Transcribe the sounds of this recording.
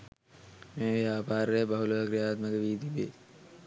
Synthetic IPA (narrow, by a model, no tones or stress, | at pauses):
mẽːʋjaːpaːɾːɛɦebɐɦuloːɐkɾijaːt̪məkeʋiːd̪ibḛː